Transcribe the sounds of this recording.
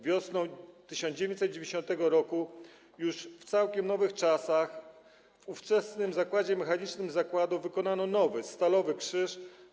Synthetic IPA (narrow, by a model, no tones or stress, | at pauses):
vʲjɔsnɔ̃w̃t̪ɘɕɔnd͡ʑevʲj̃eɲt͡ɕsɛt̪̚d͡ʑevʲɲd͡ʑeɕɔnt̪ɛɡɔɾɔku | juʂft̪sawkʲɛmnɔvɘxt͡ʂasax | vuft͡ʂɛsnɘmzakwad͡ʑɛmɛxaɲit͡ʂnɘmzakwad̪uvɘkɔnanɔnɔvɘst̪alɔvɘkʂɘʂ